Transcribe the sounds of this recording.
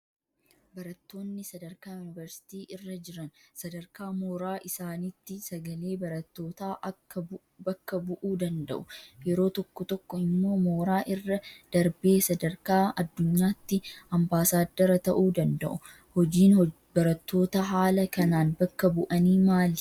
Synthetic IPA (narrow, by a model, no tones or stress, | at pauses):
bɐɾɐt̪ːo̞ːnːɪsɐd̪ɐɾkaːjʊnɪvɛɾsɪ̥t̪iːʔɪrːɐd͡ʒɪɾɐnsɐd̪ɐɾkaːmoːɾaːʔɪsaːnit̪ːɪsɐɡɐle̞ːbɐɾɐt̪ːo̞ːt̪aːʔɐkːɐ | bɐkːɐbʊʔuːd̪ɐnd̪ɐ̰ʔʊjɛɾo̞ːt̪ɔkːɔt̪ɔkːɔɪmːo̞ːmo̞ːɾaːʔɪrːɐd̪̥ɐɾbe̞ːsɐd̪ɐɾkaːɐd̪ːʊɲːaːt̪ːɪɐmbaːsaːd̪ːɐɾɐt̪ɐʔuːd̪ɐnd̪ɐʔʊ | hɔd͡ʒiːn | bɐɾɐt̪ːo̞ːt̪ɐɦaːlɐkɐnaːnbɐkːɐbʊʔɐniːmaːlɪ